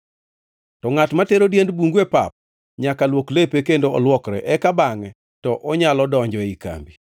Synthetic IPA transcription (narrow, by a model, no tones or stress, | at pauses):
tɔŋatmateɾodjendbuŋɡwepa̰p̚ | ɲakalwoklepekendoɔlwɔkɾɛ̰ʔɛkabaŋɛ | tɔʔɔɲalɔdɔɲd͡ʒɔika̰mbi